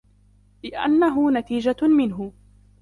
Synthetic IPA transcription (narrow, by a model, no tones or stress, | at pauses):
lɪʔa̰nːaɦʊnat̪iːd͡ʒamɪnɦʊ